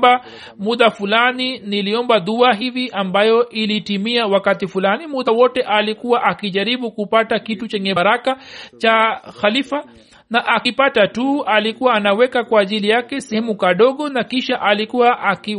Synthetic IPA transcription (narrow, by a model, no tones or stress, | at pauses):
ba | muðafulaniniliɔmbaðuaɦiviʔambajɔʔilitimiawakatifulanimuðawɔtɛʔalikuwaʔakiʄaɾiɓukupatakitut͡ʃɛɲɛɾakat͡ʃaxalifa | naʔakipatatualikuwaːnawɛkakwaːʄilijakɛsɛhɛmukaɗɔɠɔnakiʃaʔalikuwaʔaki